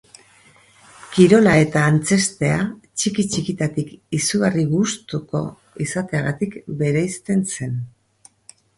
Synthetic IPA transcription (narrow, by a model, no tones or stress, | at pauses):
kiɾo̞lae̞t̪aːnt͡se̞st̪e̞at͡ʃikit͡ʃikit̪at̪ikisuɣariɣust̪uko̞̰ | isat̪e̞aɣat̪ikbe̞ɾajst̪e̞nse̞n